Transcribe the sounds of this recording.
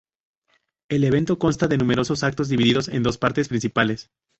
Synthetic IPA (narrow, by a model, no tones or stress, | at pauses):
e̞le̞β̞e̞nt̪o̞ko̞nst̪aðe̞nũme̞ɾo̞so̞sak̚t̪o̞zðiβiðiðo̞se̞̰nd̪o̞spaɾt̪espɾĩnsipale̞s